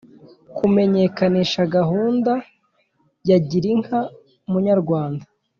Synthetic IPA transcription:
kume̞ɲe̞kaniːʃaɡaɦuːnda | jaɟiɾiŋha | umuɲaɾɡwaːnda

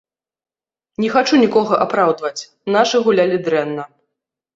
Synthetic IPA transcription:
nʲɛxat͡ʂunʲikɔɣɐʔapɾawd̪vɐt͡sʲ | naʂɨɣulʲalʲid̪ɾɛnːɐ

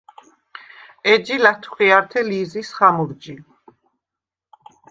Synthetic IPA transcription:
ɛd͡ʒilat̪ʰu̥χiaɾt̪ʰɛliːzisχamuɾd͡ʒi

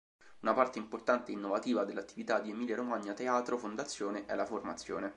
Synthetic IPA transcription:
unapart̪eimport̪ant̪einːovat̪iːvad̪elːat̪ːivit̪ad̪ːiemiːljaɾomaɲːat̪eaːt̪ɾofond̪at̪sːjoːneʔɛlaformat̪sjo̰ːne

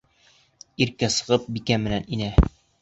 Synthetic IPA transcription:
iɾkæsɤ̆ʁɤp̚bikæmɘ̆næninæ

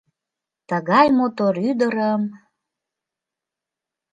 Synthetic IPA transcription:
t̪əɣɑjmot̪oɾyd̪əɾəm

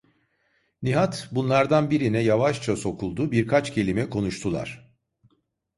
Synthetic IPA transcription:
niɦat̪bunlˠaɾd̪anbiɾinɛjavaʃt͡ʃʰaso̞kʰulˠd̪ubiɾkʰat͡ʃcʰe̞lʲimɛkʰo̞nuʃt̪ʰulˠa̰ɾ̝̥

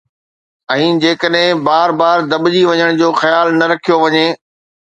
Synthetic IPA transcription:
ɛ̃ːd͡ʑeːkəɗɦɪ̃baːɾbaːɾd̪ɐɓd͡ʑiʋɐɲəɽ̃d͡ʑoːxɐjaːlnɐɾɐkʰijoʋɐɲeː

